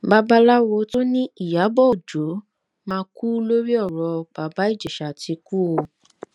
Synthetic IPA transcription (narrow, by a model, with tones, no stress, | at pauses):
ba˦ba˦la˦wo˧to˦nĩ˦i˦˨ja˨˦bɔ˦˨o˨d͡ʒo˨˦ | mãː˧ku˦lo˦ɾi˦ɔ˦˨ɾɔ˧b̥a˨˦ba˦i˦˨d͡ʒe˨ʃa˨ti˧˦ku˦o˧